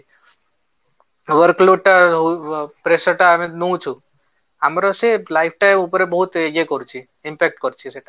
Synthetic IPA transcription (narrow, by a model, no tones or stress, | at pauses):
ʋəɾkluʈːaɦpɾesəɾʈamẽnũt͡ʃʰu | amɾoselaip̚ʰʈajmupɾebɔɦut̪eɡekɔɾt͡ʃʰi | ɪmpek̚ʈkɔɾt͡ʃʰiseʈa